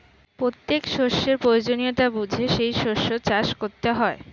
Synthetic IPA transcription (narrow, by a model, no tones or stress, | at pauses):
pɾot̪ːekʃoʃːeɾpɾojod͡ʑonijoʈabud͡ʑʱeʃejʃoʃot͡ɕaʃkoɾt̪eɦɔe